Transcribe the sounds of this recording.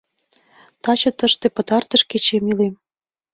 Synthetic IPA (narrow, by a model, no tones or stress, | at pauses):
t̪ɑt͡ɕɤ̆t̪ə̆ʃt̪ĕpə̆t̪ɑrt̪ə̆ʃket͡ɕemilem